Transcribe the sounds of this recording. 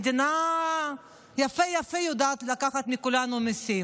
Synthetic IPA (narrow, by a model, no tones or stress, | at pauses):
d̪ina | jafejafejod̪aːt̪lakaχat̪mikulanumisi